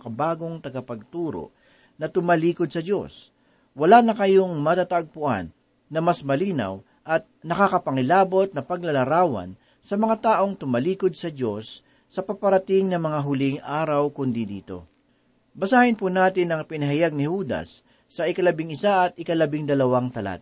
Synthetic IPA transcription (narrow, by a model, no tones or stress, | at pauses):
kɐbaːɡo̞ŋt̪ɐɡɐpɐɡ̚t̪uːɾo̰ | nɐt̪ʊmɐliːkod̪̚sɐd͡ʒo̞̰s | wɐlanɐkɐjoŋmɐt̪at̪ɐʔɡ̚pʊʔa̰nː | ɐmɐsmɐliːnɐ̰w | ʔɐt̪̚nɐkakɐpɐŋɪlaːbo̞t̪̚nɐpɐɡ̚lɐlɐɾaːwɐ̰n | sɐmɐŋat̪aːʔo̞ŋt̪ʊmɐliːkod̪̚sɐd͡ʒo̞sː | ɐpɐpɐɾɐt̪ɪŋnɐmɐŋaɦʊlɪŋʔaːɾɐwkʊnd̪id̪iːt̪o̞̰ | bɐsaːhɪnpunaːt̪ɪnɐŋpɪnɐɦajaɡ̚nɪhuːd̪ɐ̰sː | ɐʔɪkɐlɐbɪŋɪsaʔɐt̪̚ʔɪkɐlɐbɪŋd̪ɐlɐwaŋt̪ɐla̰t̪